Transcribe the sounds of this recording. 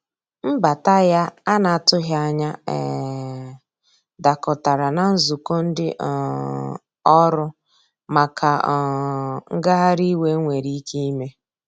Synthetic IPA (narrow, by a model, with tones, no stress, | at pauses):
m̩˦ba˨ta˦ja˦a˦na˨tʊ˦ɦa˦ɲa˦ɛ̰˨ | da˨kʊ˨ta˨ɾa˨na˨n̩˦zu˨ko˦n̩˦dɪ˦ʔ | ɔ˦ɾʊ˦ | ma˨kʰa˨ŋ̩˦ɡa˦ɦa˦ɾi˦we˦ŋʷe˨ɾi˦i˦ki˦i˦me˦